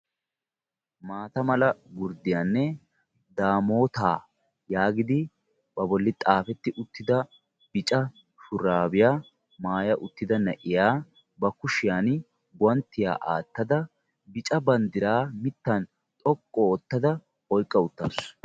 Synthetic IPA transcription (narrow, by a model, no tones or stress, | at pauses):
maːt̪ɐmɐlɐɡʊɾd̪ɪjanːɛ | d̪aːmo̞ːt̪aː | jaːɡɪd̪ɪ | bɐbɔlːɪt̪ʼaːfɛt̪ːɪʔʊt̪ːɪd̪ɐ | bɪt͡ʃʼɐ | ʃʊɾaːbɪjaː | maːjɐʔʊt̪ːɪd̪ɐnɐʔɪjaː | bɐkʊʃɪjaːn | bʊɐnt̪ːɪja̰ːʔa̰ːt̪ːɐd̪ɐ | bɪt͡ʃʼɐbɐnd̪ɪɾaːmɪt̪ːɐn | t̪ʼɔkʼːɔːt̪ːɐd̪ɐ | ɔjkʼːɐʊt̪ːɐs